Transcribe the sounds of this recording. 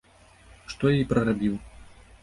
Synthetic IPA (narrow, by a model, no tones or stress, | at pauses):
ʂt̪ɔjɛjpɾɐɾabʲiw